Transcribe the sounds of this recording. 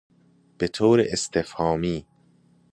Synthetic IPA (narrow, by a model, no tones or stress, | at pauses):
b̥et̪ʰoːɾeʔest̪efhɒːmiː